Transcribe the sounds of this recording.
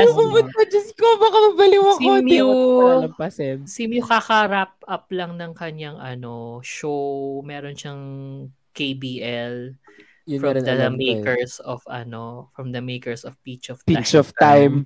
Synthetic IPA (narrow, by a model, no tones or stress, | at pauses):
bumʊpɐd͡ʒɐskobɐkɐmɐbɐlɪwɐksom | ɐpɐsɛnsimjʊkɐkɐɾap̚ɐp̚lɐŋnɐŋkɐɲaŋʔɐno̞ʃowmɛːɾonʃɐŋ | kejbiʔɛl | fɹɐd̪ɐmejkɛɹsɔvɐ̰no̞fɹɐmd̪ɐmejkɛɹsɔvpit͡ʃɔv̥it͡ʃɔvt̪ajm